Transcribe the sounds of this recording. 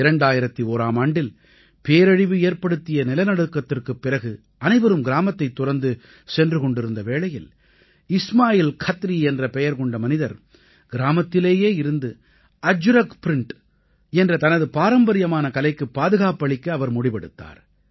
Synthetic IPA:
ɪɾɐɳɖaːjɪɾɐt̪ːioːɾaːmaːɳɖɪl | peːɾɐɻɪʋɯeːɾpɐɽɯt̪ːɪjɐnɪlɐnɐɽɯkːɐt̪ːɪrkɯpːɪɾɐɣɯ | ɐnɐɪʋɐɾɯmɡɪɾaːmɐt̪ːɐɪt̪ːʊrɐnd̪ɯ | sɛndrɯkɔɳɖɪɾɯnd̪ɐʋeːɭɐjɪl | ɪsmaːjɪlkʰɐt̪ːɾiɛndrɐpɛjɐɾkɔɳɖɐmɐnɪðɐɾ | ɡ̥ɪɾaːmɐt̪ːɪleːjeːɪɾɯnd̪ɯ | ɐd͡ʒʊɾɐkpɪɾɪɳʈ | ɛndrɐt̪ɐnɐðɯpaːɾɐmbɐɾɪjɐmaːnɐkɐlɐɪkːɯpːaːðɯɣaːpɐɭɪkːɐːʋɐɾmʊɽɪpɐɽɯt̪ːa̰ːɾ

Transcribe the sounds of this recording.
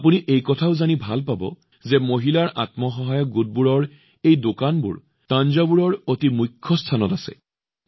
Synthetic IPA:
apuniʔejkɔtʰaʊzanibʱalpabɔ̰ | zɛmoɦilaɹʔa̰tmɔxɔɦajɔk̚ɡud̚buɹɔɹ | ejdokanbṵɹ | tanzabuɹɔɹotimujkʰːɔstʰanɔtasɛ̰

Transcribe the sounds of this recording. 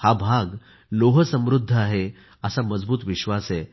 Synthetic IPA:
habʱaɡ | loɦəsə̃mɾud̪ʱːəaɦe | əsaməd͡zbuːt̪ʋiɕʋase

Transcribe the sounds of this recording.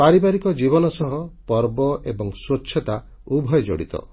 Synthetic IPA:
paɾibaɾikɔd͡ʒibɔnɔsɔɦɔpɔɾbɔʔebɔŋswotːʃʰɔt̪a | ubʱɔjd͡ʒɔ̰ɽḭt̪ɔ̰

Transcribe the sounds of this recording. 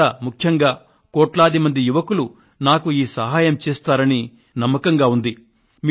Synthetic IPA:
aːmukʰjɐŋɡaː | koːʈlaːd̪imɐnd̪ijuʋɐkulu | naːkuiːsɐɦaːjɐmt͡ʃeːst̪aːɾɐni | nɐmːɐkɐŋɡaːund̪i | m

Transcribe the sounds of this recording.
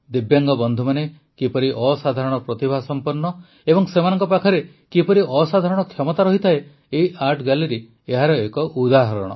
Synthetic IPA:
d̪ibjaŋɡɔbɔnd̪ʱumane | kipɔɾiʔɔsad̪ʱaɾɔɽ̃ɔpɾɔt̪ibʱasɔmpɔɾnːɔ | ebɔŋsemanɔŋkɔpakʰɔɾe | kipɔɾiʔɔsad̪ʱaɾɔɽ̃ɔkʰjɔmɔt̪aɾɔɦit̪ʰae | eiʔaɾʈʰɡaliɾi | eɦaɾɔekɔʔud̪aɦɔɾɔ̰ɽ̃ɔ̰

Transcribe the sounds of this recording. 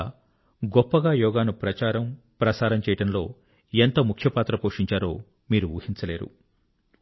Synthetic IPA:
ɡɔpːɐɡaːjɔːɡaːnupɾɐt͡ʃaːɾɐm | pɾɐsaːɾɐmt͡ʃɛːjɐʈɐnlo̞̰ː | ent̪oːmukʰjɐpaːt̪ɾɐpoːʂiɲt͡ʃaːɾo̞̰ː | miːɾuṵːhint͡ʃɐle̞ːɾṵ

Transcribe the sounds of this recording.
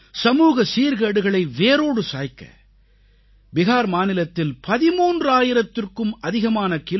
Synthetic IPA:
sɐmuːɣɐsiːɾɣɐɽɯɣɐɭɐɪʋeːɾoːɽɯsa̰ːjkːɐ̰ | ʋɪɣaːɾmaːnɪlɐt̪ːɪlpɐðɪmuːndraːjɪɾɐt̪ːɪrkɯmʔɐðɪɣɐmaːnɐkɪl

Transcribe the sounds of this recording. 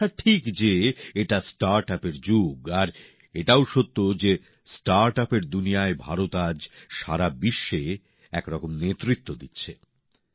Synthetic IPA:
aʈʰikd͡ʑeeʈasʈaɾʈapeɾd͡ʑuɡaɾ | eʈawʃot̪ːod͡ʑe | sʈaɾʈapeɾd̪unijaebʱaɾot̪ad͡ʑʃaɾabiʃːe | ɛkɾɔkomnet̪ːɾit̪ːod̪itːɕʰe

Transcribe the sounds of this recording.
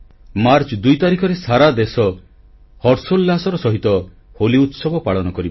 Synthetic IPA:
maɾt͡ʃɔd̪ujt̪aɾikʰɔɾesaɾad̪esɔ | hɔɾsolːasɔɾɔsɔɦit̪ɔ | holiut̪sɔbɔpaɭɔnɔkɔɾibɔ

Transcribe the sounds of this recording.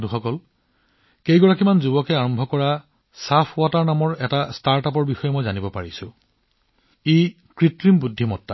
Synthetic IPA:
tuxɔkɔl | kejɡɔɹakimanzubɔkɛaɹɔmbʱɔkɔɹa | sapʰʊataɹnamɔɹɛtastaɹtap̬ɔɹbixɔjɛmɔjzanibɔpaɹisʊ̃ | e | kɹitɹimbudʱːimɔtːa

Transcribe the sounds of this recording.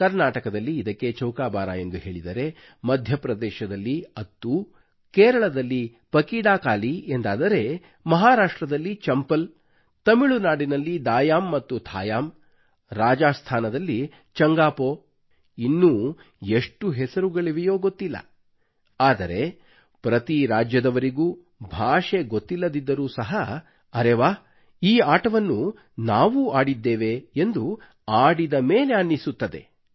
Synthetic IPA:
kɐɾnaːʈɐkɐd̪ɐlːiːd̪ɐkːe̞t͡ʃɐwkaːbaːɾa̰e̞nd̪uɦe̞ːɭid̪ɐɾe̞ | mɐd̪ʱjɐpɾɐd̪ɛːʃɐd̪ɐlːiɐt̪ːu | keːɾɐɭɐd̪ɐlːi | pɐkiːɽaːkaːliend̪aːd̪ɐɾe̞ | mɐɦaːɾaːʂʈɾɐd̪ɐlːit͡ʃɐmpɐl | t̪ɐmiɭunaːɽinɐlːid̪aːjaːmːɐt̪ːut̪ʰaːjaːm | ɾaːd͡ʒaːst̪ʰaːnɐd̪ɐlːi | t͡ʃɐŋɡaːpoː | inːuː | e̞ʂʈuɦɛsɐɾuɡɐɭiʋijoːɡot̪ːilːɐ̰ | aːd̪ɐɾe̞ | pɾɐt̪iɾaːd͡ʒjɐd̪ɐʋɐɾiɡuː | bʱaːʂe̞ɡot̪ːilːɐd̪id̪ːɐɾuːsɐɦɐ | ɐɾeʋaː | iːaːʈɐʋɐnːu | naːʋuaːɽid̪ːeːʋe̞end̪u | aːɽid̪ɐmeːle̞ɐnːisut̪ːɐd̪e̞̰

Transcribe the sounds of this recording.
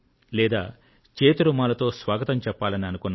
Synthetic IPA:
lɛːd̪aː | t͡ʃeːt̪uɾumaːlɐt̪o̞ːsʋaːɡɐt̪ɐmt͡ʃɛpːaːlɐniɐnukunː

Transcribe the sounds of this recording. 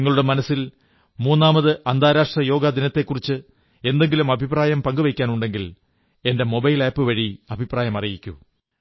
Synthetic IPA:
ŋːɐɭuɽe̞mɐnɐsil | muːnːaːmɐðɨʔɐnd̪ʱaːɾaːʂʈrɐjo̞ːɡad̪inɐt̪ːe̞kːurit͡ɕːɨ | e̞nd̪e̞ŋɡilumɐbʱipraːjɐmpɐŋɡɨʋɐkʲːaːnuɳɖe̞ŋɡil | e̞nde̞mo̞bɐjleːjpːɨʋɐɻiɐbʱipraːjɐmɐrijikʲːṵ

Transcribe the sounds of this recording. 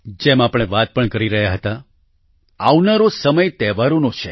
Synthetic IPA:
d͡ʒemapɳ̃eʋat̪̚pəɳkəɾiɾəɦjaɦət̪a | aʋnaɾosəməjt̪ɛʋaɾonot͡ʃʰe

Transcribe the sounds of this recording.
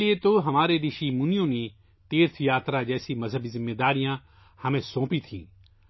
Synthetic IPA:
liet̪oɦɐmaːɾed̪ɪʃimʊnijõːni | t̪eːɾt̪ʰjaːt̪ɾad͡ʒɛːsimɐzʱɦəbizɪmːed̪aːɾijã | hɐmẽsõːpit̪ʰĩː

